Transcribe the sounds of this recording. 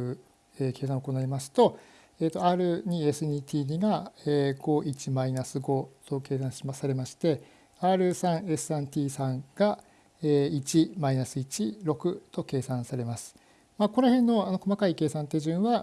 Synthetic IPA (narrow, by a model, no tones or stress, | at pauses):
ɯ | eke̞ːsãoko̞naimasɨ̥t̪o̞ | eːt̪o̞aːɾɯ̟ɲ̟ie̞sɨɲʲit̪ʰʲiːɲiɡaeːɡo̞ʔit͡ɕimainasɨɡo̞t̪o̞ke̞ːsãɰ̃ɕiasaɾe̞maɕi̥t̪e̞ | aːɾɯ̟sãɰ̃e̞sɨãnt̪ʲiːsãŋɡ̥a | eːit͡ɕimainasɨit͡ɕiɾo̞kɯ̟t̪o̞ke̞ːsãɰ̃saɾe̞masɨ̥ | maːko̞nohẽ̞nːo̞ano̞ko̞makaike̞ːsãnt̪e̞ʑɨ̃ɰ̃βa